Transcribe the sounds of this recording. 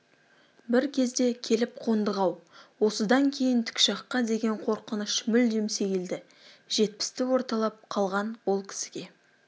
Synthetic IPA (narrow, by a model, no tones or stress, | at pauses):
bɪɾkʲʰe̞zd̪e̞kʲʰe̞lɪp̚qʰo̞nd̪əʁɑwwo̞səd̪ɑŋkʲʰe̞jɪnt̪ʰɪ̥kʲʃɑqːɑd̪e̞ɡʲe̞ɴqʰo̞ɾqənəʃmʏld̪emseɡʲeld̪ɪ | ʒ̥e̞t̪̚pɪ̥st̪ɪwo̞ɾt̪ɑlˠɑp̚qʰɑlˠʁɑnwo̞lˠkʲʰɪ̥sɪɡʲe̞